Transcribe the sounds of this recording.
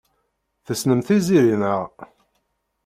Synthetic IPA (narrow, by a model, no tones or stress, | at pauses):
θəsnəmθiziɾinəʁ